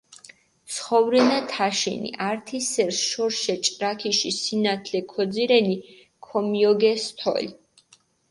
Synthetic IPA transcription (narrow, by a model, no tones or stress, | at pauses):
t̪sχɔvɾɛnat̪ʰaʃḭnḭʔaɾt̪ʰisɛɾsʃɔɾʃɛt͡ʃʼɾakʰiʃisinat̪ʰlɛkʰɔd̪ziɾɛni | kʰɔmiɔɡɛst̪ʰɔ̰l